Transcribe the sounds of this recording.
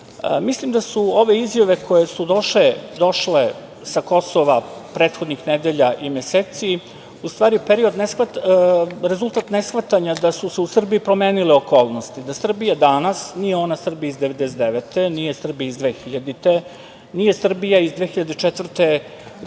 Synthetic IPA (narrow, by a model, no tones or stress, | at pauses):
mislimd̪asuo̞ʋe̞izjaʋe̞ko̞jesud̪o̞ʃled̪o̞ʃle | sako̞soʋapɾet̪xo̞d̪nixned̪eʎaʔimjeseːt̪si | ust̪ʋaːɾiupeɾio̞d̪nesxʋat̪ | ɾezult̪aːt̪nesxʋat̪aɲad̪asuseusr̩biipɾo̞meːnileo̞ko̞ːlˠnost̪id̪asr̩bijad̪anasnijeo̞nasr̩bijaizd̪eʋed̪eset̪d̪eʋet̪enije̞sr̩bijaizd̪ʋexiʎad̪it̪e | nijesr̩bijaizd̪ʋe̞ːxiʎad̪et͡ʃet̪vr̩t̪e